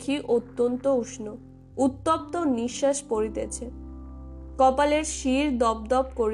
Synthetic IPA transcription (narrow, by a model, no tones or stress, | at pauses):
kʰiʔot̪ːont̪ouʃno | ut̪ːop̚t̪oniʃːaʃpoɾit̪et͡ɕʰe | kɔpaleɾʃiɾd̪ɔb̚d̪ɔp̚koɾ